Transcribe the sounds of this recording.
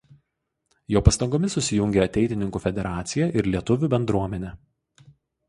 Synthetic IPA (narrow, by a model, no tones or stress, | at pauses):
joːpɐst̪ɐŋɡoːmʲɪsʊsʲɪjʊŋʲɡʲeɐt̪ʲɛɪt̪ʲɪnʲɪŋkuːfʲɛd̪ʲɛɾɑːt̪sʲɪjɛʔɪɾlʲiɛt̪ʊʋʲuːˑbʲɛnd̪ɾuɔmʲɛnʲe